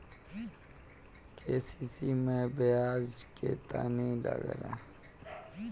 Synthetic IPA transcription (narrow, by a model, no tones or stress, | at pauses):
kʰesisimẽbeaːzket̪anila̰ɡɾã̰